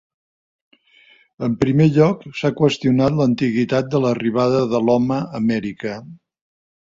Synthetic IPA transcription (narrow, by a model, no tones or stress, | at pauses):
əmpɾimeʎɔksakwəst̪iunat̪lənt̪iɣit̪at̪̚d̪ələriβ̞aðəðəlɔməːmɛɾikə